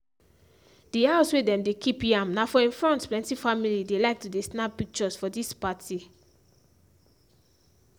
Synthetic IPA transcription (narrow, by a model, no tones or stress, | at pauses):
d̥iaswedɛ̃mdekʰipjãmnafɔĩnfɹɔ̃ntplɛ̃ntifamilidelaɪk̚tudesnappik̚t͡ʃɔsfɔdispatʰi